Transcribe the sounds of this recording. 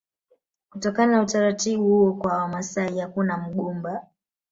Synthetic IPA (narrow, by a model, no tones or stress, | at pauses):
kutɔkananautaɾatiɓuhuɔkwaawamasaihakunam̩ɠumba